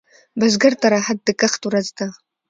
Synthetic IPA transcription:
bɐzɡɐrtʰʼɐɾaħad̚dɨkʼɐχtʼuɾɐztʰʼa

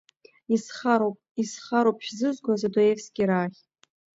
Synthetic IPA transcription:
isχaɾopʼisχaɾowpʰʼʃᶣzɨzɡʷazadojefsɡʲiɾaːχʲ

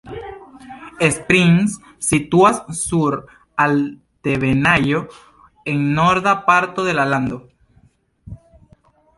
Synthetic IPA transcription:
espɾiŋsː | it̪uassuɾ | al | t̪eβenajo | eŋnoɾðapaɾt̪oðelaland̪o

